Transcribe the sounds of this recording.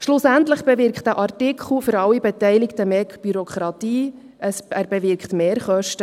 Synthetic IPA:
ʃlʊsæntləχb̥ɛvɪɾkχtæʔɑrtɪkʰχl̩fʏɾɑwibɛtɛɪlɪktəmɛɡb̥yɾokχɾɑtiː | ʔəsæːɾb̥ɛvɪɾkχtmeːɾχœʃtə

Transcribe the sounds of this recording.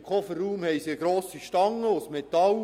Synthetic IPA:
kʰɔfərːuːmhɛjsiɡɾoːsiʃtɑŋːəʊsmet̪ɑl

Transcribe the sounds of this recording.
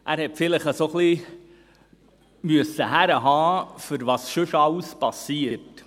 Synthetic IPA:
ʔæːɾhɛtfɪləχəsoχli | myəsəɦæɾəɦɑːfʏɾvɑːsʃʏʃɑwspɑsiːət

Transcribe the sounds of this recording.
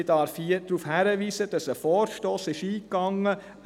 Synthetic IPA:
ɪd̥ɑɾfiəd̥ɾuːfhæɾəʋiːsəd̥ɑsəfɔːɾʃtoːsɪʃiːkɑŋːə

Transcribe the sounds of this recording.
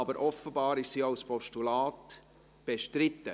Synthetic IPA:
ɑbəɾʔɔfəbɑːɾɪʃsiːaʊspɔʃtulɑːt | b̥eʃtɾɪtːə

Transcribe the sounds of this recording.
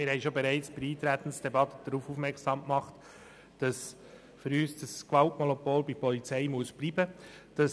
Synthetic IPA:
mɪɾhɛɪʃobɛɾæɪt͡sb̥ɪɾiːt̪ɾæt̪ən̩sd̥ɛbɑt̪əd̥əɾuːfuːfmɛɾksɑmkmɑχt | d̥ɑs | fʏɾyːsd̥ɑskʋɑltmɔnɔpoːlbipɔlit͡sɛɪmuəsb̥liːbəd̥ɑs

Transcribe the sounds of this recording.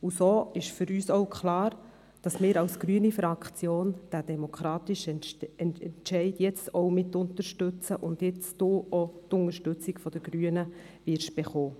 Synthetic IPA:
usoːɪʃfʏɾyːsoʊwkʰχlɑːɾ | d̥ɑsmɪːɾɑwsɡ̥ɾyənifɾɑkt͡sjoːnd̥æd̥ɛmokχɾɑːt̪ɪʃɛnnʃɛɪdjɛt͡stoʊmɪtːʊntəɾʃtʉt͡səʔʊnd̥jɛt͡sd̥oːotʊŋəɾʃtʏt͡sɪkfɔd̥əɡ̥ɾyənə | vɪɾʃb̥eχoː

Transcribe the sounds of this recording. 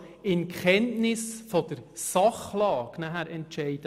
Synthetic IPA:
ɪnkχɛntnɪsfɔd̥əɾsɑχlɑːɡnæɦæɾɛntʃɛɪd̥ə

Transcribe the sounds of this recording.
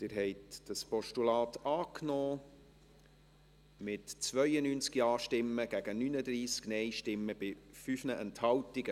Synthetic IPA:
t̪ɪːɾɦɛɪtd̥ɑspɔʃtulɑːtɑːknɔː | mɪtt͡svœjənyːnt͡skiɑːʃtɪmːəɡ̥æɡ̥ənynəd̪ɾiːsknɛɪʃtɪmːəb̥ɪfyfnəʔɛnthɑwtiɡə

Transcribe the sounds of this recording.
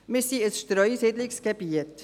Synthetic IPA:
mɪsiəsʃtɾœʏsidlɪksɡ̥ebiət

